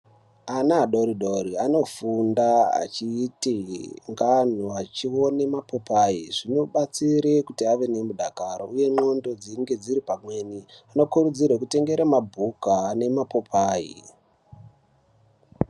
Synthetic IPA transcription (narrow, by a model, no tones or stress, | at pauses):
anaːɗoɾiɗo̞riano̞fundaa̰t͡ʃiːtiŋɡan̤uat͡ʃio̞ne̞mapo̞paːiʐ̥ino̞ɓat͡siɾekutiaʋe̞ne̞muɗakaɾouje̞no̞ndo̞d͡ziŋɡe̞d͡ziɾipamwe̞ːniano̞kurud͡zirwekute̞ŋɡe̞ɾamabʱukane̞mapo̞pʰaːḭ